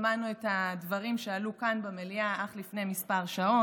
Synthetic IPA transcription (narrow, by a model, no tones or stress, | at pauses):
manuethadvɐʁimʃealukanbemeliaʔaχlifnemispaʁʃao